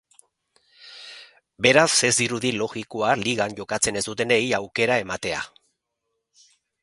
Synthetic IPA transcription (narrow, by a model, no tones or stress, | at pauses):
be̞ɾase̞zd̪iɾuðilo̞ɣiko̞aliɣanɟo̞kat͡se̞ne̞zd̪ut̪e̞ne̞jawke̞ɾae̞mat̪e̞a̰